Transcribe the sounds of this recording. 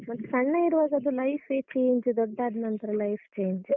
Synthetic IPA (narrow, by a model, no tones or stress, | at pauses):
mɐt̪ːsɐɳːɐjiɾuʋaːɡɐɐd̪ulɐjfʰeːt͡ʃeːɲd͡ʒd̪ɔɖːaːɖ̪nɐnt̪ɐɾelɐjft͡ʃeːɲd͡ʒ